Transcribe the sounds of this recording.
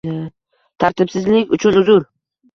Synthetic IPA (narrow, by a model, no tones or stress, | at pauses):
t̪ʰaɾt̪ɪpsɪzlɪkʲʊt͡ʃʰʊnʊzʊɾ